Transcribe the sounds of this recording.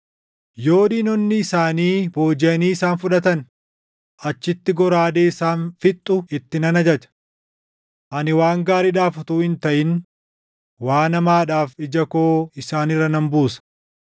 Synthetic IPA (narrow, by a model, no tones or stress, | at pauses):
jo̞ːdiːnɔnːɪːsaːniːbo̞ːd͡ʒɛɐniːɪsaːnfʊᶑɐt̪ɐn | ʔɐt͡ʃːɪt̪ːɪɡɔɾaːd̪eːɪsaːnfɪt̪ʼːʊɪt̪ːɪnɐnɐd͡ʒɐd͡ʒɐ̥ | ʔɐnɪwaːŋɡaːɾiᶑaːfʊt̪uːhɪnt̪ɐʔɪn | waːnɐmaːᶑaːfɪd͡ʒɐkoːɪsaːnɪrːɐnɐmbuːsɐ̥